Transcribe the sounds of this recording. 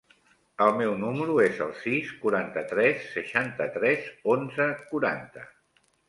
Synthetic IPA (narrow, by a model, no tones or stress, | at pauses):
əlˠmɛwnuməɾuezə̰lˠsiskuɾant̪ət̪ɾɛsːəʃant̪ət̪ɾɛzonzəkuɾa̰nt̪ə